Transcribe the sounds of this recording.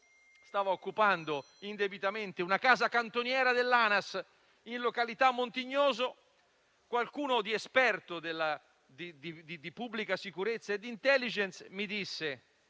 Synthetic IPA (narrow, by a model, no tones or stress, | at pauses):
st̪aːvaokːupand̪o | ind̪ebit̪ament̪eunakaːzakant̪onjɛːɾad̪elːaːnas | inlokalit̪amːont̪iɲːɔːzo | kwalkuːnʊd̪iɛspɛrt̪od̪ɪlːa | d̪id̪id̪id̪ipubːlikasikuɾet̪sːaed̪int̪ɛlːid͡ʒɛnsmid̪isːe